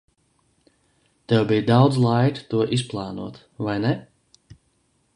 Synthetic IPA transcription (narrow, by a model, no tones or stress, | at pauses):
t̪ɛwbijd̪awd̪zlˠajkt̪uɔʔis̬plˠɑːnṵɔt̪ | vajnɛ